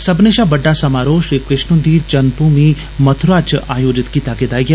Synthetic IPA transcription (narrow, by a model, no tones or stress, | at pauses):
sɐbneʃabɐɖːasɐmaːɾoːʃikɪʃnũnd̪it͡ʃɐnpuːmi | mɐt̪ʰʊɾaːt͡ʃaːjoːd͡ʒɪt̪kit̪aːkɪd̪aːiɡe